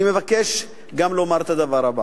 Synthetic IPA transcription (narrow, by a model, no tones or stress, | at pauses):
ime̞vakeʃ | ɡamlo̞maʁt̪ad̪avaʁaba